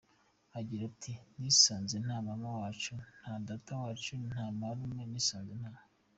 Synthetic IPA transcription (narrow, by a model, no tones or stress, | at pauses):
aɟiɾatʰinisaːnzen̥aːmamawaːt͡ʃun̥hadatawaːt͡ʃun̥hamaɾumŋeniːsaːnzen̥haːma